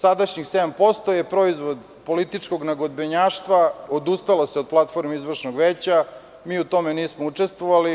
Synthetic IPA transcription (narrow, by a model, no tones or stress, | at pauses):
sad̪aʃɲixsed̪ampo̞st̪o̞jepɾo̞izʋo̞d̪ | po̞lit̪it͡ʂko̞ɡnaɡod̪beɲaːʂt̪ʋaod̪ust̪alaseo̞d̪̚plˠat̪fo̞ɾmeizʋr̩ʃnoɡʋeːt͡ɕa | miːut̪o̞meniːsmout͡ʂest̪ʋoʋali